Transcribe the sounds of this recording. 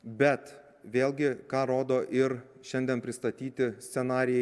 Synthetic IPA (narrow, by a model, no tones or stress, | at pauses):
bʲɛt̪ | ʋʲeːlʲˠɡʲɪkɑːɾoːd̪oːʔɪɾ | ʃʲɛnʲd̪ʲɛnpʲɾʲɪst̪ɐt̪ʲiːt̪ʲɪsʲt̪sʲɛnɑːɾʲɪjɛ